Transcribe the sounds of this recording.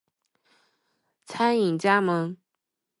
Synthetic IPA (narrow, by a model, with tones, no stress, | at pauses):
t͡sʰa˥ni˨˩ŋt͡ɕja˥mə˧˥ŋ